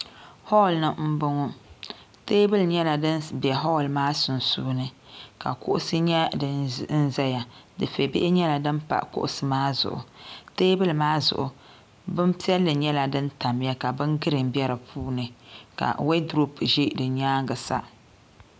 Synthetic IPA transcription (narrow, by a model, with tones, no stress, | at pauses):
hɔ˦˨lnɨ˦m̩˦bʊ˦ŋɔ˦ | teː˦bɨ˦lɲɛ˦la˨dɨ˦nbɛ˨ɦɔ˦˨lmaː˦sʊ˨n˨suː˦nɨ˨ka̰˨kʊ̰˦ʔʊ̰˦sɨ˦ɲɛ˦dn̩˦zɛ˦ja˨dɨ˨fe˨bɪ̰˦ʔɪ˦ɲɛ˦la˨dɨ˦mpa̰˨ʔkʊ̰˦ʔʊ˨sɨ˦maː˦zʊ̰˨ʔʊ̰˨teː˦bɨ˦lmaː˦zʊ̰˨ʔʊ˨ | bɨ˦mpi˦ɛ˦lːɨ˨ɲɛ˦la˨dɨ˦nta˨m˦ja˦ka˨bɨ˦ŋɡɨ˦ɾɨ˨m˨bɛ˦ɾɨ˨pʰuː˦nɨ˨ka̰˨we˦dɾo˦pʒi˦dɨ˨ɲaː˦ŋɡɨ˨sa̰˦